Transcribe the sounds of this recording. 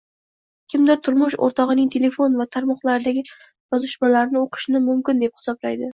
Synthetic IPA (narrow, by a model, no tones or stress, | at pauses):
kʲʰɪmd̪ɪɾt̪ʰʊɾmʊʃo̰ɾt̪ʰɒʁɨnɪŋt̪ʰe̞le̞fo̞nvat̪ʰaɾmɒχlˠaɾɪd̪aɡʲɪ | jɒzɪʃmalaɾnɪoqʰɨ̥ʃnɪmʊmkʲɪnd̪ep̚hɪ̥sɒblajd̪ɪ